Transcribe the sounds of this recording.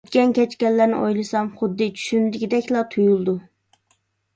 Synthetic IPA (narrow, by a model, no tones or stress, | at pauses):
t̪kʲɛnkʲɛt͡ʃkʲɛlːæɾnɪ̰ʔojlˠɨsɑmχʊd̪ːɨt͡ʃʰy̥ʃynd̪ɪkʲid̪ɛkʲlˠɑt̪ʰujulˠd̪u